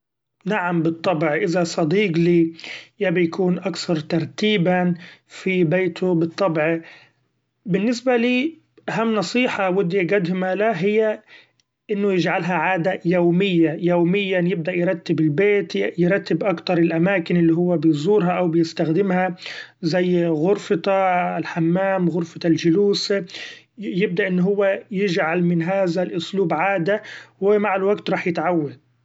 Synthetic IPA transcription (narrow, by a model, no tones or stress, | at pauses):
naʕambɨt̪ˤːɑbʕʔɪðasˤɑd̪iːqliːjabɪjakuːnʔakθɑɾˤt̪ɑɾˤt̪iːbafibeːt̪ʰʊbɨt̪ˤːɑbʕ | bɪnːɪsbaliː | ʔaɦamːnɑsˤiːħɑwʊd̪jaɡad̪hmalaɦɪjːa | ʔɪnːʊjɪd͡ʒʕalɦaʕaːd̪ajowmɪjːajoːmɪjːanjɪb̚d̪aʔjɾˤɑt̪ːɪbɪlbeːt̪jɾˤɑt̪ːɪbʔakt̪ɑɾˤɪlʔamaːkɪnɪlːiːɦʊwːabɪjzˤuːɾɦaʔawbɪjɪst̪axd̪ɪmhazajːɣʊɾfɪt̪aɪlħamːaːmɣʊɾfɑt̪alʒʊluːs | jɪb̚d̪aʔɪnːʊɦʊwːajɪd͡ʒʕalmɪnɦaːðalʔʊsluːbʕaːd̪awmaʕalwaɡt̪ɾˤɑːħjɪt̪ʕawːad̪̚